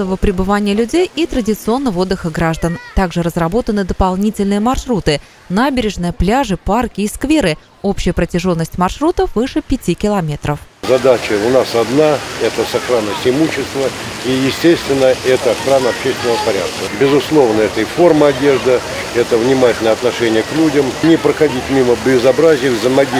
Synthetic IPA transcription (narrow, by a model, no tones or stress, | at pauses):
əvəpɾʲɪbɨvanʲɪjəlʲʉdʲejit̪ɾədʲɪt̪sɨo̞nːəvəo̞d̪ːəxəɡɾaʐd̪ənt̪aɡʐɨɾəzrɐbo̞t̪ənɨd̪əpɐlˠnʲitʲɪlʲnɨjəmɐrʂɾut̪ɨ | nabʲɪɾʲɪʐnɨjəplʲaʐɨparkʲɪːskvʲe̞ɾɨ | o̞pɕɪjəpɾətʲɪʐo̞nːəsʲtʲmɐrʂɾut̪əfvɨʂɨpʲɪtʲikʲɪlˠɐmʲe̞t̪ɾəfzɐd̪at͡ɕəʊnasɐd̪naɛt̪əsɐxɾanəsʲɪɪmuɕːɪst̪vəijɪsʲtʲest̪vʲɪnːəʔɛt̪əɐxɾanəɐpɕesʲt̪ʲvʲɪnəvəpɐɾʲa̰t̪̚kəbʲɪzʊslˠo̞vnəɛt̪əɪfo̞rmɨɐdʲe̞ʐd̪ɨ | ɛt̪əvnʲɪmatʲɪlʲnəjəɐt̪nɐʂɛnʲɪjəklʲudʲəmnʲɪpɾəxɐdʲitʲmʲiməbʲɪzɐbɾazʲɪjəvzəmɐɡʲi